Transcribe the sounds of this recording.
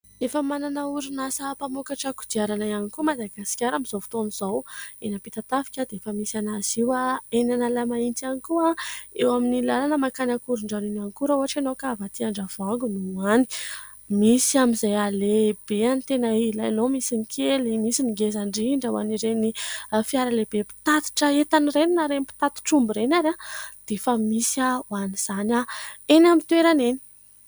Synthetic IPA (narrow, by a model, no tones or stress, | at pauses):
efəmananauɾinasəpamukaʈ͡ʂaku̥d̪iaɾanaianikumad̪aɡasi̥kʲaɾamiz̥ofu̥t̪oniz̥awenəpit̪at̪afi̥kʲad̪eefəmisanaz̥iwaenanalamaint̪ianikuaewaminilalanəmakanakuɾuɳɖ͡ʐaninanikuɾəuɦaʈ͡ʂanokavat̪iaɳɖ͡ʐav̥aŋɡunuani̥ | misiamizajaleb̥eant̪enailajanomisinikʰelimisiniɡezaɳɖ͡ʐiɳɖ͡ʐawa̰niɾenifiaɾalebepi̥t̪at̪i̥ʈ͡ʂəet̪anireninaɾenipi̥t̪at̪u̥ʈ͡ʂumbiɾenaɾad̪̥efəmisiawaniz̥anʲaenamint̪weɾaneni̥